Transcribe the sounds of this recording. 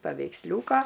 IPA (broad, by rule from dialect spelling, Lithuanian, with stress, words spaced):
pɐʋʲɛɪksʲˈlʲuːkɐ